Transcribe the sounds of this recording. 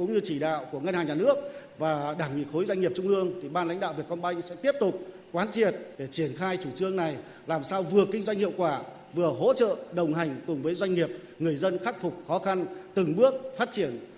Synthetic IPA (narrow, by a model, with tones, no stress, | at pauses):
kʊ̰˨˥˦ŋ͡mɲɨ˧t͡ɕi˧˩ɗa̰ː˧˨wku˧˩əŋə˧nhaː˨˩ŋɲaː˨˩nɨ˦˥ək̚vaː˨˩ɗaː˧˩ŋḭ˧˨xo˨˦jzwa˧jŋi˨˩p̚t͡ɕʊ˧ŋ͡mʔɨ˧əŋt̪ʰi˨˩ɓaː˧nla̰˧˥jŋ̟ɗa̰ː˧˨wvi˨˩əkɔ˧nɓa˧jŋsɛ̰˧˥t̪i˦˥əp̚t̪ʊ˨˩k͡p̚ | kwaː˨˦nt͡ɕi˧˩ət̚ɗe˧˩t͡ɕi˧˩ənxaː˧jt͡ɕu˧˩t͡ɕɨ˧əŋna˨˩j | laː˨˩msaː˧wvɨ˨˩əkï˧ŋ̟zwa˧jŋ̟hḭ˧ə˨wkwaː˧˩ | vɨ˨˩əɦo̰˧˥t͡ɕə̰ː˧˨ɗə˨˩wŋ͡mɦa˨˩jŋ̟kʊ˨˩ŋ͡mvəː˨˦jzwa˧jŋ̟ŋi˨˩əp̚ | ŋɨ˨˩əjzə˧nxa˦˥k̟̚fʊ˨˩k͡p̚xɔ˨˦xa˧nt̪ɨ˨˩ŋɓɨ˦˥ək̚faː˦˥t̚t͡ɕi˧˩ən